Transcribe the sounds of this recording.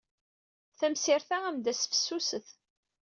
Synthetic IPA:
θæmsɪɾθaæmd̪æsfə̥sːusəθ

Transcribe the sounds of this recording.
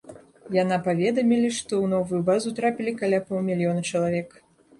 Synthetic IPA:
janapavʲɛd̪ɐmʲilʲiʂt̪ɔwnɔvujubazut̪ɾapʲilʲikalʲapɔlˠmʲilʲjɔnɐt͡ʂɐlˠavʲɛk

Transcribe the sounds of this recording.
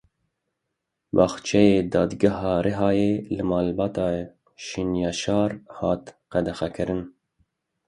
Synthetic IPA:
bɑːxt͡ʃʰɛjeːd̪ɑːd̪ɡaɦɑːɾeɦɑːjeːlɨmɑːlbɑːt̪ɑː | ʃinjɑʃɑːɾhɑːt̪qæd̪ɛxɛkʰɨɾɨn

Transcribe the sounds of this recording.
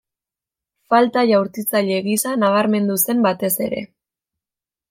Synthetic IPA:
falt̪aʝawɾt̪it͡saʎe̞ɣisanaβ̞aɾme̞nd̪use̞mbat̪e̞se̞ɾe̞̰

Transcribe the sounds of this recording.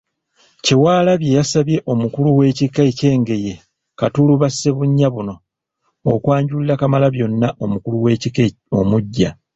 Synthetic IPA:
ciwaːlaβje̞jasaβje̞ʔo̞mukuluwe̞ːcikːaece̞ːŋɡe̞je̞ | katuluβasːe̞βuɲːaβuno̞ː | kwaːɲɟullakamalaβjo̞nːaʔo̞mukuluwei | omuɟːa

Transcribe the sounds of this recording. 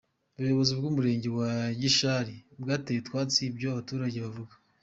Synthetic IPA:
uβujoβo̞zibɡuːmuɾe̞ːɲɟe̞waɟiʃaɾibɡaːteitwaːt͡sibɟoaβatuːɾaɟeβavuɡḁ

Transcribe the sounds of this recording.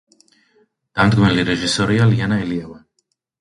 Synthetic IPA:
d̪̥amd̪ɡmɛliɾɛʒisɔɾialianaɛliava

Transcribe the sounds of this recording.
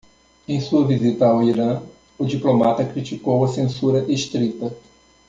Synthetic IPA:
ẽj̃suɐvizit̪ɐawiɾɐ̃ | ʊd͡ʒiplomat̪ɐkɾit͡ʃikowɐsẽsuɾɐʔeʃt̪ɾit̪ɐ

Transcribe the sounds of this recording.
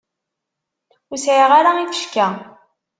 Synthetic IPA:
ʊsʕiʁaɾaiθə̥ʃkæ

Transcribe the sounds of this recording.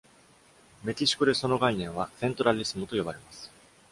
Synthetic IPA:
me̞t̪ʲiɕi̥kɯɾe̞so̞no̞ɡainẽ̞ɰ̃asẽnt̪oɾaɾʲisɨmɯt̪o̞jo̞baɾe̞masɨ̥

